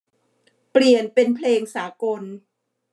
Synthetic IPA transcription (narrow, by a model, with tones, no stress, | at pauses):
pli˨˩ənpe˧npʰleː˧ŋsaː˩˦ko˧n